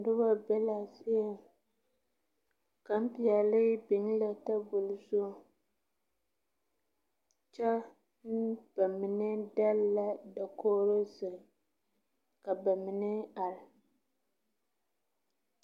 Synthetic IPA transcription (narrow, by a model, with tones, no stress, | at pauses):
dʊ˦ba˦bɛ˦la˨sɪ˦jɛ˨m | ka˨m̩˦pi˨ɛ˨lɪ˦bɪ˨ŋ˦la˨ta˦bʊ˨lʊ˦so˦ | t͡ʃɛ˦ | n˦b̥a˨mɪ˨nɨ˦da˦lla˦da˨koː˦ɾo˦sɨ˨ | ka˨ba˨mɪ˨nɨ˦a˨l